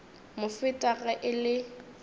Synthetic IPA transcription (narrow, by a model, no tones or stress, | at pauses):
mʊfɪtʼaɣɛʔɪlɪ